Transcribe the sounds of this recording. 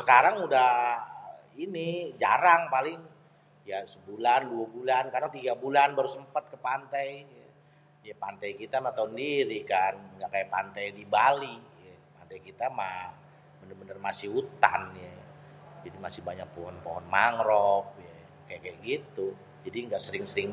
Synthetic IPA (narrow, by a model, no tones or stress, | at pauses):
sə̥kaɾaŋudah | inid͡ʒa̰ɾaŋpalɪŋ | jasəbulanduabulankadaŋt̪iɡabulanbaɾusəmpat̪̚kəpant̪ajja | japant̪ajkit̪amat̪awəndiɾikanɡaʔkajapant̪ajdibalijapant̪ajkit̪ama | bənərbənərmasɪhut̪a̰nja | d͡ʒadimasɪbaɲak̚pɔɦɔnpɔɦɔnmaŋɾɔp̚ja | kajakajaʔɡit̪u | d͡ʒadiŋɡaʔsəɾɪŋsəɾɪŋ